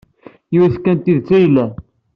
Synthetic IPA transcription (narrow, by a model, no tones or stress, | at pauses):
juwiθkːænt̪ːiðt͡sːæjlæ